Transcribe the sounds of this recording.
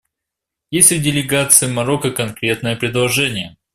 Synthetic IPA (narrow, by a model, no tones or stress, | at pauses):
jesʲt̪ʲɪvdʲɪlʲɪɡat̪sɨjəmɐɾokəkɐnkɾʲe̞t̪nəjəpɾʲɪd̪lˠɐʐɛnʲɪjə